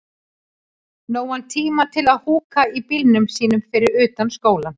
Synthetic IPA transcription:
noːwhant̪ʰiːmat̪ʰɪlaðhuːkaipilnʏmsiːnʏmfɪɾɪɾʏːt̪anskoːwla

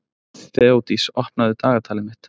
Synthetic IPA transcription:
θɛːowt̪isɔhpnaðɪt̪aːɣat̪ʰaːlɪmɪht̪

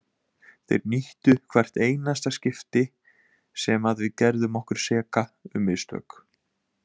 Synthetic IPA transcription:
θḛjɾniht̪ʏkʰv̥ar̥t̪eːjnast̪ascɪft̪ɪ | sɛmaðvɪðcɛɾðʏmɔhkʏɾ̥sɛːkaʏmːɪðst̪œ̰ːk

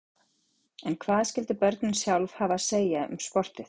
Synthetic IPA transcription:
ɛnkʰvaːðscɪlt̪ɪpœɾt̪nsjawlv̥haːvaseːjaʏ̰mspɔr̥t̪ɪθ

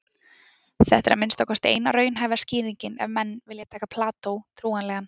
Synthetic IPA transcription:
θɛht̪ɛɾa̰mɪnst̪ɔwkast̪ḛːjnaɾœːɥjnɦajvaɾsciːɾiɲcɪnɛ̰vmɛnːvɪljat̪ʰaːkapʰlaːt̪owt̪ʰɾuːanlɛɣanː

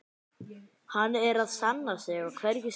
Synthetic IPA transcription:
hanːɛɾaðsanːasɛɣakʰvɛɾjɪ

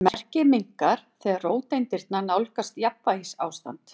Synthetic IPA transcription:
mɛr̥cɪmiŋ̥kaɾ̥θɛːɣaɾroːwt̪ejnt̪ɪɾt̪nanawlkast̪japvahisaːwst̪a̰nt̪

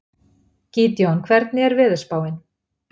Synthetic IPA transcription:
ciːt̪jɔnkʰvɛɾt̪̚nɪɛɾvɪːðʏɾ̥spaːwɪn

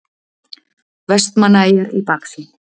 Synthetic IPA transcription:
vɛst̪manajəɾḭpaksi

